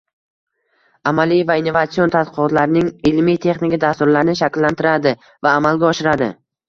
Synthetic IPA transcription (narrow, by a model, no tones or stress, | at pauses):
amalijvaɪnːovat̪sio̞nt̪ʰat̪qʰɨɒt̪laɾɪnɪŋɪlmijt̪ʰe̞χnɪkʲad̪ast̪ʊɾlaɾnɪʃ̬akʲlːant̪ʰɪɾad̪ɪ | vaːmalɡʲaɒʃɪɾad̪ɪ̰